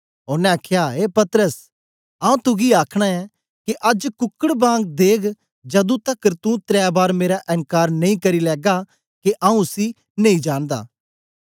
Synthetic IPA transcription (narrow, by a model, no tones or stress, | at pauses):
oɾnɛ̃aːkʰjaeːpɐt̪əɾəs | ãːũt̪ʊɡiaːkʰɽ̃aɛ̃ | kiʔɐd͡ʒkʊkːəɽbãːŋɡ̚d̪eːkʰ | d͡ʒɐd̪ũt̪ɐkəɾt̪ũt̪ɾɛːbaːɾmeːɾaʔɛ̃ŋkaːɾnɐĩkɐɾilɛːɡa | keʔãːũʊsi | nɐ̃ĩd͡ʒãːnd̪a̰ː